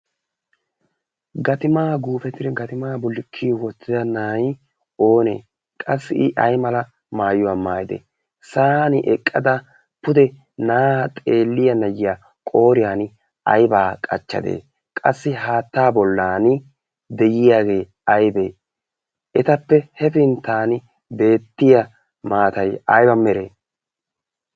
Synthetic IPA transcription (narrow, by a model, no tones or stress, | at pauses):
ɡɐt̪ɪmaːɡuːfɛt̪ɪɾɡɐt̪ɪmaːbʊlːɪkʰːiwɔt̪ːɪd̪ɐnaːj | o̞ːnḛː | kʼɐsːɪɪʔɐjmɐlɐ | maːjʊwamaːjɪd̪ɛ̰ | saːnɪʔɛkʼːɐd̪ɐ | pʊd̪ɛ | naːt̪ʼe̞ːlːɪjɐnɐjɪja | kʼo̞ːɾɪjaːn | ɐjbaːkʼɐ̰t͡ʃːɐ̰d̪ḛː | kʼɐsːɪɦaːt̪ːaːbɔlːaːnɪ | d̪ɛjɪjaːɡe̞ː | ɐjbeː | ʔɛt̪ɐpːɛhɛfɪnt̪ːaːn | be̞ːt̪ːɪjɐ | maːt̪ɐjɐjbɐmːɛɾḛː